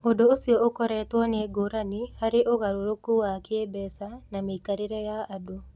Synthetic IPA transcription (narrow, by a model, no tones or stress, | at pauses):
odoːsjɔokɔɾɛt̪wɔneɡoɾanihaɾeʔoɣaɾoɾokuwakebɛsanamekaɾeɾɛjaado